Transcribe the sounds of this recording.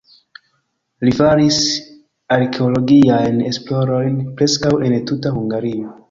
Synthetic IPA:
lifaɾis | aɾkʰeolo̞ɡiajne̞splo̞ɾo̞jnpɾe̞skawe̞ntutahuŋɡaɾio

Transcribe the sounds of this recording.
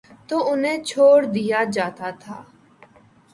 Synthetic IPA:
t̪oːʊnẽːt͡ʃʰoːɽd̪ijaːd͡ʒaːt̪aːt̪ʰa̰ː

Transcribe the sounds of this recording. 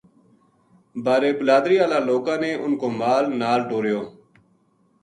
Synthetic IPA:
baːɾeːbəlaːd̪ɾiːaːlaːloːkãːneːʔʊnkoːmaːlnaːlʈoːɾɪjoː

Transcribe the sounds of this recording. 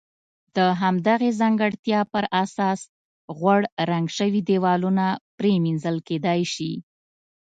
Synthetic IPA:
d̪əɦamd̪aɣezaŋɡəɽt̪jɑpəɾasɑs | ɣwaɽɾaŋɡʃəwid̪ewɑlunapɾeminzəlked̪ɑjʃi

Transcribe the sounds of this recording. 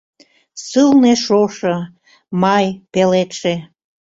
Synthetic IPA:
sɨlneʃoʃə | mɑjpelet̪ʃe

